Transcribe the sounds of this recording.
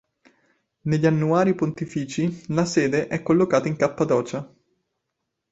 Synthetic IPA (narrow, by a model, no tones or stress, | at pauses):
neʎːanːuaːɾipont̪ifiːt͡ʃilasɛːd̪eʔɛkːolːokaːt̪aiŋkapːad̪ɔːt͡ʃa